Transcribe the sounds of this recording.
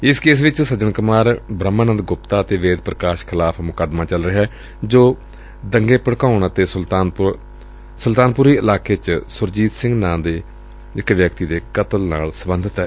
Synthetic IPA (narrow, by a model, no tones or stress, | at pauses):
ɪskeːs̬ʋɪt͡ʃsəd͡ʒəɳkʊmaːɾbɾəmːaːnənd̪ɡʊpt̪aːət̪eːʋeːd̪pɾəkaːʃkʰɪlaːpʰmʊkəd̪maːt͡ʃəlɾəɦɛː | d͡ʒoː | d̪əŋɡeːpəɽkaːʊɳət̪eːslt̪aːn | səlt̪aːnpʊɾiːɪlaːkʰeːt͡ʃsʊɾd͡ʒiːt̪sɪ̃ŋɡnãːd̪eː | ɪkʋjəkt̪iːd̪eːkət̪əlna̰ːlsəbənd̪ʱət̪ɦɛː